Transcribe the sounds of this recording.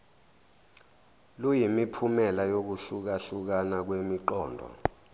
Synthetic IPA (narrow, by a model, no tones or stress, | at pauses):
lujimipʰumɛlajok̬uɬuk̬aɬuk̬anak̬wemiǃɔːndʱɔ̰